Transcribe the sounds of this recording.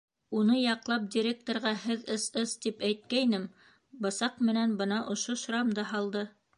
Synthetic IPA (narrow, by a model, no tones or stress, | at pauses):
unɤjɑqlˠɑp̚dʲiɾʲek̚t̪ŏɾʁɑɦɘðɤsɤst̪ipæjt̪̚kæjnɘm | bɤ̆sɑqmɘ̆nænbɤnɑʔŏʃoʃɾɑmd̪ɑɦɑlˠd̪ɤ